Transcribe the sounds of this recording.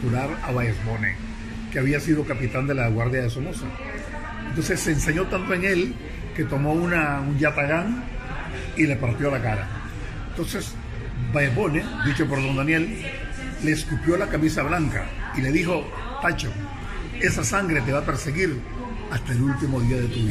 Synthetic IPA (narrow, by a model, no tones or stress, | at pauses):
uɾaɾaβaezbo̞nḛ | keaβiasiðo̞kapit̪and̪e̞laɣwaɾðjaðesomosa̰ | ent̪o̞nse̞sːeːnseɲo̞t̪ant̪oe̞ŋe̞l | ke̞t̪o̞mo̞unaund͡ʒat̪aɣaŋ | ile̞paɾt̪jo̞lakaɾa̰ | ent̪o̞nses | bajesβo̞ned̪it͡ʃo̞po̞ɾðo̞nd̪anje̞lː | e̞ːskupjo̞lakamisaβlaŋka̰ile̞ðixo̞ | t̪at͡ʃo | esasaŋɡɾet̪e̞βape̞ɾseɣiɾ | ast̪aelult̪imo̞ðiaðet̪uβi